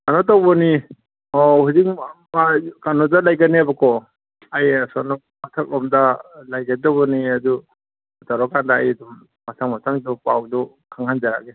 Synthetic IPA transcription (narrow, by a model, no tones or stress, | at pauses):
anɔt̬awbɔni | ɔhuzik̚makanɔdalajɡanːiabakɔ | ajasɔnɔ | matʰak̚lʔɔmdalajɡadɔwbɔniadu | taɾɔkandaːjadumː | atʰaŋmatʰaŋdupawdu | kʰaŋhand͡ʒaɾa̰ɡe